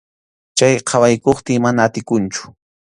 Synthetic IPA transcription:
t͡ʃajqʰɑwajkoχt̪ɪmanaːt̪ɪkʊnt͡ʃʊ̥

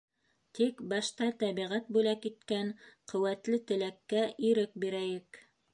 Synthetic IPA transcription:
t̪ikbɑʃt̪ɑt̪æβiʁæt̪̚bʉlækit̪kænqɵ̆wæt̪lɘt̪ɘ̆lækːæʔiɾɘk̚biɾæjɘk

